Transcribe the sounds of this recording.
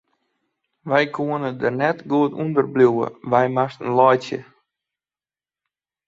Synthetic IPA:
ʋɛjkʰuənədərnɛtɡuətṵndərbliuwə̰ʋɛjmastənlɔjsjə̰

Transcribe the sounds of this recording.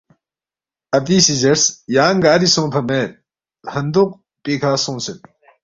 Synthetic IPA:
ɐpiːsizɐɾsjaːŋɡaːɾisõːpʰɐmeːɾ | hɐnd̪uq̚ | piːkʰaːsõːnsen

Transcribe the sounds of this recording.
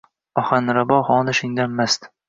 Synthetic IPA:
ɒχanɾabɒhɒːnɪʃɪŋd̪anmast̪

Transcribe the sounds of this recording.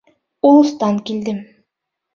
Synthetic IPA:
ulˠust̪ɑŋkild̪ɪm

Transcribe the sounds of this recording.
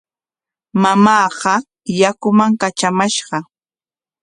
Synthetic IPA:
mamɑːɢɑ | jakʊmaŋkat͡ʃamaʃɢɑ

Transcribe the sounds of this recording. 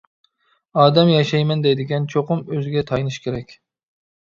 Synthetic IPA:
ɑːd̪ɛmjɑʃɛjmɛnd̪ɛjd̪ɪɡʲɛnt͡ʃʰoqʊmøzɡʲɛt̪ʰɑjnɨʃkʲʰeɾɛkʲ

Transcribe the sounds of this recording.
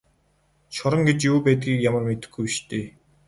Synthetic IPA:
ʃɔɾə̆ŋɡet͡ɕjuːpæːt̪̚ɡiːkjamə̆rmet̪ɘ̥̆xɡujiʃt̪ʰeː

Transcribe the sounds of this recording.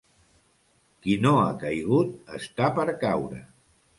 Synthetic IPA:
kinoa̰kəjɣut̪̚ə̰st̪apəɾkawɾə̰

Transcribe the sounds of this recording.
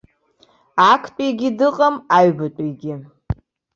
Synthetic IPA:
akʰtʼejɡʲɪdɨqʼamaɥbatʷʼejɡʲɪ

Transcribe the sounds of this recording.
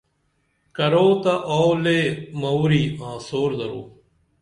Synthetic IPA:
kɐɾoːt̪ɐʔoːleːmɐwɾiːãːsoːɾd̪ɐɾoː

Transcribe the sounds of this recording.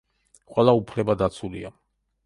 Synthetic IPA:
qʼwɛlˠaupʰlɛbad̪at̪sʰulḭa

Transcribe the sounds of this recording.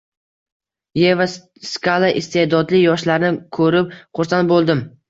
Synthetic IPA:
jeva | skalˠaʔɪst̪ʰed̪ɒd̪lɪjɒʃlaɾnɪkʰɵɾɪp̚qʰʊɾsanbolˠd̪ɪm

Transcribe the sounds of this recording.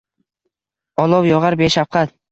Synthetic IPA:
ɒlˠɒwjɒʁɑɾbeʃafqʰɑt̪̚

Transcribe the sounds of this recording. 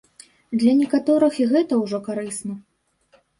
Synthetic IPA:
d̪lʲɐnʲɛkat̪ɔɾɨxiɣɛt̪ɐwʐɔkaɾɨsnɐ

